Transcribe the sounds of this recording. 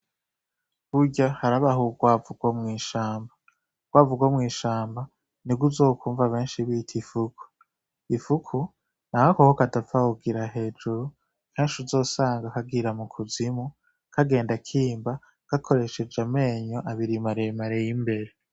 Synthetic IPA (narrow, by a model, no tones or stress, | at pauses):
βuɟahaɾaβaɦuɡwaːvuɡwamŋiːʃaːmba | ɡ̥waːvuɡwamŋiːʃaːmba | niɡuzo̞ːkʰuːɱvaβe̞ːnʃiβiːtʰifukʰu̥ | ifukʰu | nahakohokadafahuɡiɾaɦe̞ːd͡ʒuɾu | keːnʃuzo̞ːsaːŋɡakaɡiɾamukʰuzimu | kʰaɡe̞ːndakʰiːmba | ɡ̥akʰo̞ɾe̞ʃe̞d͡ʒame̞ːɲoʔaβiɾimaɾemaɾejimbe̞ɾe